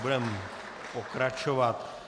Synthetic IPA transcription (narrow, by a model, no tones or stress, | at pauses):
budɛm | pokɾat͡ʃovat̪